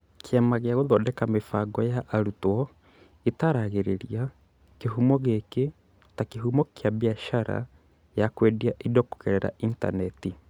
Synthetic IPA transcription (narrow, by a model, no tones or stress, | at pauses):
kʰɛmaɣjaɣoðɔdɛkamefaɡɔjaʔːɾutwɔ | etaɾaɣeɾeɾia | keɦumɔɣeke | takeɦumɔkjaβiaʃaɾa̰ | jakwediaʔidɔko̥keɾɛɾa̰inta̰nɛti